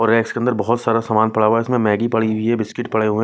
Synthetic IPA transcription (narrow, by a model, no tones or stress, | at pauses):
ɔːɾːɛːkskeɐnd̪əɾbɔɦʊt̪saːɾasaːmaːnpɐɽ̤aɦuaɪsmẽmɛːɡipɐɽiʊiɦɛbɪskɪʈpɐɽ̤eɦue